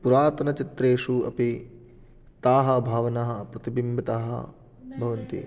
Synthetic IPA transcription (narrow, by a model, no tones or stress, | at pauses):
puɾaːt̪ɐnɐt͡ʃit̪ɾeːʂuɐ̰pi | t̪aːɦɐ̆bʱaːʋɐnɐɦɐpɾɐt̪ibimbʱɐt̪aːɦɐ̰ | bʱɐʋɐnt̪ḭ